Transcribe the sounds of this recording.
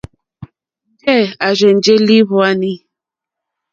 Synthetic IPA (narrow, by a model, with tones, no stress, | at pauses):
kɛ˦˨a˨ʒɛ˨n̩˨d͡ʒe˦li˦βɔ˦a˦ni˦